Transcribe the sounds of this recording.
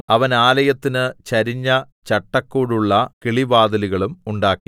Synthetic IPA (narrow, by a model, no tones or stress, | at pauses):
ɐʋɐnaːlɐjɐt̪ːinɨt͡ɕɐɾiɲːɐ | t͡ɕɐʈːɐkːuːɽuɭːɐkiɭibaːd̪ɐliɣɐɭumuɳɖaːkːi